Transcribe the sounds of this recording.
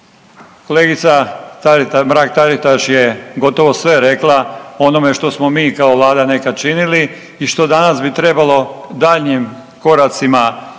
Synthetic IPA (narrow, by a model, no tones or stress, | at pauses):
ko̞leːɡit̪sat̪aɾit̪amɾaːk̚t̪aɾit̪aʃje̞ɡo̞t̪o̞ʋo̞sʋe̞ɾe̞klˠao̞no̞me̞ʃt̪o̞smo̞miːkaoʋlˠaːd̪ane̞kat͡ʃinili | iʃt̪o̞d̪anasbit̪ɾe̞balˠo̞d̪aːʎɲim | ko̞ɾat̪sima